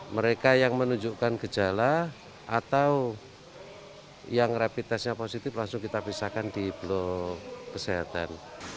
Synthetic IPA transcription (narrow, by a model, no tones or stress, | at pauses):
məɾekajaŋmənuɲd͡ʒuʔkanɡ̥əd͡ʒ̥ala | ʔat̪awu | jaŋrapit̪asɲaposit̪ɪflaŋsʊŋkit̪apisakand̪̥ib̥lɔkəseɦat̪a̰n